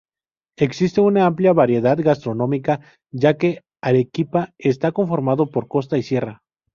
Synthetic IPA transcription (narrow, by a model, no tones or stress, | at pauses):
e̞ksist̪e̞unaampljaβaɾje̞ðaðɣast̪ɾo̞nõ̞mika | ʝake̞ | alekipaes̬t̪ako̞ɱfo̞ɾmaðo̞po̞ɾko̞st̪aisje̞ra